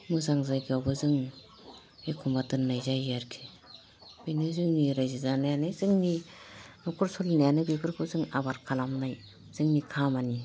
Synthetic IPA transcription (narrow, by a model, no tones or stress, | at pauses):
mɯzaŋzajkʰiawbɯzɯŋ | ekʰumbatɯnːajzajaɾkʰi̥ | b̥ɯjnɯzɯŋniɾajzizanajanɯzɯŋninɔkʰɔɾsɔlnajanɯbebɯɾkʰɯzɯŋabaɾkʰalamnaj | z̥ɯŋnikʰamani